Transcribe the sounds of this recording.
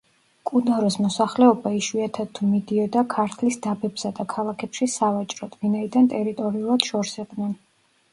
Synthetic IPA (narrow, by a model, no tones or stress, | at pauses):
kʼunaɾɔsmɔsaχlɛɔbaiʃwiat̪ʰad̪̚t̪ʰːumid̪iɔd̪akʰaɾt̪ʰlisd̪abɛbsad̪akʰalˠakʰɛpʃisavat͡ʃʼɾɔt̪ʰvinaid̪ant̪ʼɛɾit̪ʼɔɾiulˠad̪̥ʃɔɾsɛqʼd̪nɛn